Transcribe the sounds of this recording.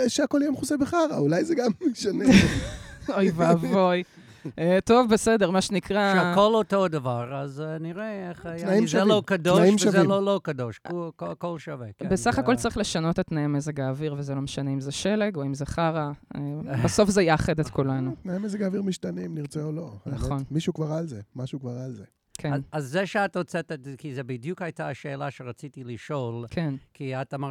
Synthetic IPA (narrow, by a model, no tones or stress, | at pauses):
ʃeako̞ljemχuzebeχaʁa̰ulajzeɡameʃane | ojvavoj | eto̞vbesedeʁmaʃenikʁaʃeakolotodavaʁazniʁeeχnaimʃellokadonaimʃavzeilolokad̪oʃkokokolʃavebesaχako̞lt͡saʁiχle̞ʃano̞tet̪naimezeɡaːviʁvezelomeʃaneimzeʃeleɡoimzeχaʁaebaso̞fzejaχed̪et̪kulanutnaimezeɡaviʁmiʃtanimniʁt͡seoloanaχeo̞nmiʃukvaʁalzemaʃukvaʁalze | kʰenazːeʃeatot͡set̪etkizebid̪jukajtaʃeːlaʃeʁat͡sitiliʃo̞lkʰenkʰiat̪ama